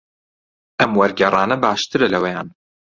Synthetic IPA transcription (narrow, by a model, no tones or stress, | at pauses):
ʔɐmwɐɾɡɛrˤɑːnɐbaːʃt̪ɨɾɐlɐwɛja̰ːn